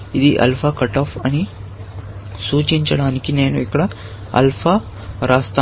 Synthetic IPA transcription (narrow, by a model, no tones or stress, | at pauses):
id̪iʔɐ̰lpʰɐkɐʈɐːpʰɐni | suːt͡ʃiɲt͡ʃɐɽaːnikine̞ːnuikːɐɽɐ | ɐ̰lpʰɐ | ɾaːst̪a